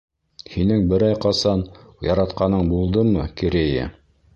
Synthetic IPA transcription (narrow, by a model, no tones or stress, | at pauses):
hinɘŋbɘ̆ɾɑjqɑsɑnjɑɾɑt̪qɑnɤɴbulˠd̪ɤmɤkiɾejæ̰